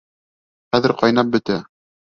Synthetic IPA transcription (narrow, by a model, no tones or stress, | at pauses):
χæðɘ̆ɾqɑjnɑp̚bɵ̆t̪æ